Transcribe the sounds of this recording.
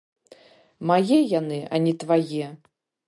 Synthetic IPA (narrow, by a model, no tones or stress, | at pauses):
majɛjanɨanʲit̪vajɛ